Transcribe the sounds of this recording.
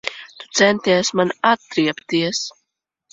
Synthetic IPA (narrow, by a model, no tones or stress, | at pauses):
t̪u̥t̪sɛnt̪ijsmanat̪ːɾiɛpt̪iɛs